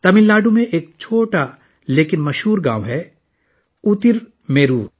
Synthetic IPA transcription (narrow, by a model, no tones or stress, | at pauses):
t̪ɐmɪlːaːɖumẽʔeːk̚t͡ʃʰoːʈa | leːkɪnmɐʃɦuːɾɡã̰ːʋɦɛ | ut̪ɪɾ | meːɾuːɾ